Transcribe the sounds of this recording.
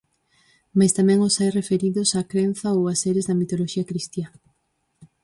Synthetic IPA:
majst̪amɛ̃ŋosajrefeɾiðʊsakɾenθɐowaseɾɪzðɐmit̪oloʃiɐkɾist̪ja

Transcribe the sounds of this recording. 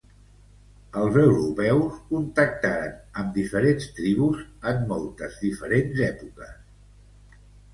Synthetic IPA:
əlˠzəwɾupɛwskunt̪ək̚t̪aɾənəmd̪ifəɾenst̪ɾiβuzəmːɔlˠt̪əzðifəɾenzɛpukəs

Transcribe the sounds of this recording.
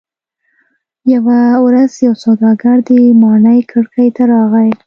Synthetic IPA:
jawawɾazjawsawd̪ɑɡaɽd̪əmɑnəjkʰəɽkəjt̪aɾɑɣaj

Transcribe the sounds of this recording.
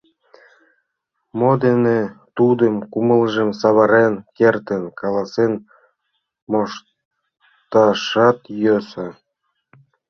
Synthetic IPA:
mod̪enet̪ud̪əmkumələʒəmsɑβɑɾenkert̪ənkɑlɑsen | moʃ | t̪ɑʃɑt̪jøsɑ

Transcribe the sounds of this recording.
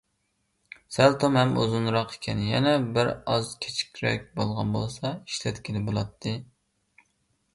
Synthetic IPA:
sælt̪ʰomhɛmozunɾɑqe̥kʲʰɛnjɛ̰nɛbɪɾɑzkʲʰe̥t͡ʃʰi̥kʲʰɾɛ̰k̚ʲbolˠʁɑnbolˠsɑiʃlɛt̪kʲilɪbolˠɑt̪ʰːɨ

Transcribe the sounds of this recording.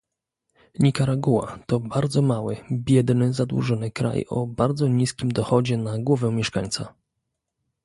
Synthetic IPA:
ɲʲikaɾaɡuwa̰t̪ɔbaɾd̪zɔmawɘbʲjɛd̪nɘzad̪wṵʐɔnɘkɾa̰jɔ̰baɾd̪zɔɲiskʲimd̪ɔxɔd͡ʑɛnaɡwɔvɛmʲjɛʂkaɲt̪sa̰

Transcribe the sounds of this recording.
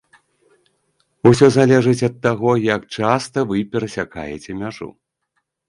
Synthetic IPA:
usʲɔzalʲɛʐɨt͡sʲɐt̪ːaɣɔjɐkt͡ʂast̪ɐvɨpʲɛɾɐsʲaka̰jɛ̰t͡sʲɛmʲaʐṵ

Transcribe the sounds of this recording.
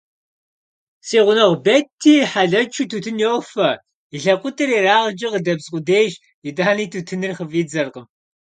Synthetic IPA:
siːʁʷʊnɐʁʷbɐtʰːiːħaɮɐt͡ʃʰutʰuːtʰɨnjowfɐ | iɬɐqʷʼʊtʼʰɨriːraːʁd͡ʒʼɐqədɐbsʼqʷʼʊdeːjʒ | idʼaːniːtʰutʰɨnɨrχəviːd͡zɐrqəm

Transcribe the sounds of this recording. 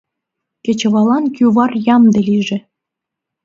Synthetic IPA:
kʲĕt͡ɕɤ̆βɑlˠɑnkʲyβɑrjɑmd̪ĕlʲiʒĕ

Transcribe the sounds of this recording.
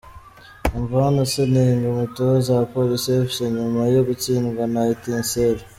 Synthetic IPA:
ɱvanoseniŋɡumitozapolisiofiseɲumajoɡut͡ʃinɡanaitinseli

